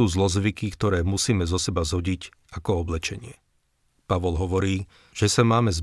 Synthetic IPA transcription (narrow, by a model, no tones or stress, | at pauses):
uːzlɔzʋikikt̪ɔɾɛːmusiːmɛzɔsɛbazɦɔɟic | akɔɔblɛt͡ʃɛɲɪɛ | paʋɔlɦɔʋɔɾiː | ʒ̥ɛsamaːmɛz